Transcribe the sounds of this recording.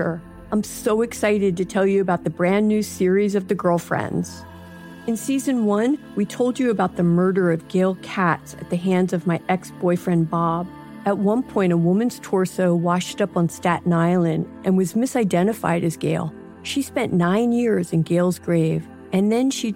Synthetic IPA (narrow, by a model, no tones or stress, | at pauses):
ə˞ | ãɪ̃msoʊɨksaɪɾɨd̚tɨtʰɛlˠjɨɨbaʊt̪̚ðɨbɹæ̃nːʉ̥sɪɹizʌvðɨɡɜ˞lˠfɹɛ̰̃ndz̥ | ɨ̃nsizɨ̃nwʌ̃nwitʰoʊlˠd͡ʒɨɨbaʊt̪̚ðɨmɜ˞ɾə˞ʌvɡeɪlˠkʰætsɨt̪̚ðɨɦæ̃ndzʌvmaɪʔɛksb̥ɔɪfɹɛ̃nbɑb | ɨt̚wʌ̃npʰɔ̃ɪ̃ɾ̃əwʊmɨ̃nz̥tʰɔɹsoʊwɑʃtʌpn̩stæʔn̩aɪl̩ˠɨ̃ndʔɨ̃nwʌzmɪsaɪdɛ̃ɾ̃ɨfa̰ɪɾɨzɡeɪlˠ | ʃispɛ̃nːãɪ̃njɪɹzɨ̃nɡeɪlˠzɡɹeɪv | ɨ̃nðɨ̃nʃi